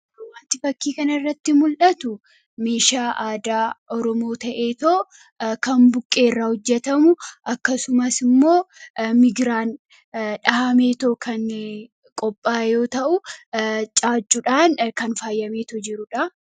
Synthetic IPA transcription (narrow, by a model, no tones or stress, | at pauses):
ɐwaːnt̪ɪfɐkːiːkɐnɐɪrːɐt̪ːɪmʊlᶑɐt̪ʊ | meːʃaːʔaːd̪aːʔɔɾɔmoːt̪ɐʔe̞ːt̪oː | kɐmbʊkʼːe̞ːrːahɔd͡ʒːɛt̪ɐmʊʔɐkːɐsʊmɐsɪmːo̞ːmɪɡɾaːn | ᶑɐhɐme̞ːt̪oːkʰɐn | kʼɔpʼːaːjo̞ːt̪ɐʔʊ | t͡ʃʼaːt͡ʃʼːʊᶑaːnkɐnfaːjːɐme̞ːt̪od͡ʒɪɾʊᶑɐ